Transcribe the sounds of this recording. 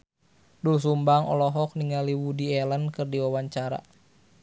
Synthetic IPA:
duls̬umbaŋɔ̰lɔɦɔk̚niŋaliwudiɛlənkɨrdiwawaɲt͡ʃaɾa̰

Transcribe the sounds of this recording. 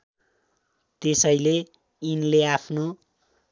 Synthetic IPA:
t̪esʌjle | inleapʰno

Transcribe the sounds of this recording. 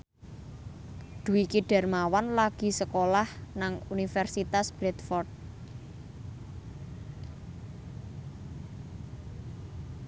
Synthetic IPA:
d̪̥ṳwikiɖ̥ɛ̤rmawanlaɡ̥i̤səkolahnaŋunifɛrsit̪asb̥ɾɛt̪fɔrt̪̚

